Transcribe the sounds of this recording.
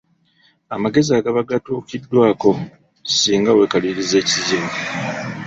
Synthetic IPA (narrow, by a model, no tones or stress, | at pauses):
amaɡe̞ziaːɡaβaɡatuːkidːwaːko̞ | siːŋɡawe̞kaliɾize̞ːciziːmu